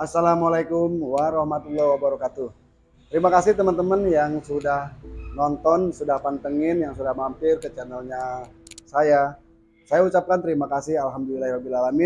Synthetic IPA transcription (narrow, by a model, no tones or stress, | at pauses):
ʔasːalamalajkʊmwaɾɔhmat̪ulːɔwabaɾɔkat̪uh | t̪əɾimakasɪht̪əmənt̪əmənjaŋsudahnɔnt̪ɔnsudahpant̪əŋɪnjaŋsudahmampɪrkət͡ʃənəlɲasaja | sajaut͡ʃap̚kant̪əɾimakasɪhalɦamdulilahiwabilalamɪ